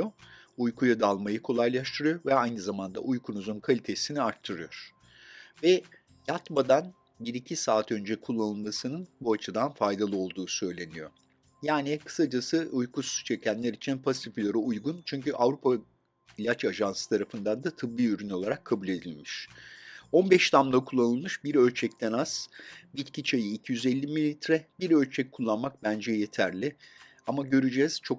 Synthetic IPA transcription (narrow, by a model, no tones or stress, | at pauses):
oujkʰujad̪alˠmajɯkʰo̞lˠajlˠaʃt̪ʰɯɾɯjo̞ɾvɛajnɯzamand̪a̰ʔujkʰunuzunkʰalʲit̪ʰe̞siniaɾt̪ʰːɯɾɯjoɾ̥ | vɛ | jat̪mad̪an | biɾicʰisaːt̪ʰø̞nd͡ʒɛkʰulˠːanɯlˠmasɯnɯnbuat͡ʃʰɯd̪anfajd̪alˠɯo̞lˠd̪uːsø̞jlʲe̞nijo̞̰ | jaːnikʰɯ̥sad͡ʒasɯʔujkust͡ʃʰɛcʰænlʲeɾit͡ʃʰinpʰast̪ʰikʰʲylʲaɾaujɡunt͡ʃʰyɲcyʔavɾupʰa | ilʲat͡ʃaʒansɯ̥t̪ʰaɾafɯnd̪and̪at̪ʰɯblˠɯyɾyno̞lˠaɾakʰːabulʲe̞d̪ilʲmiʃ | o̞nbɛʃt̪ʰamlˠakʰulˠːanɯlˠmɯʃbiɾø̞lʲt͡ʃʰɛc̚t̪ʰɛnaz̥bit̪cʰit͡ʃʰejiːcʰijyzelʲːimilʲːit̪ɾɛbiɾølʲt͡ʃʰɛc̚kʰːulˠːanmak̚bænd͡ʒɛjet̪ʰæɾlʲɪ | amaɟø̞ɾyd͡ʒɛz̥t͡ʃʰo̞k